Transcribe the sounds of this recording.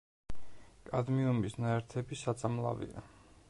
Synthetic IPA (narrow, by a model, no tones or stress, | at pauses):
kʼad̪miumbisnaɛɾt̪ʰɛbisat̪sʼamlˠa̰vḭa̰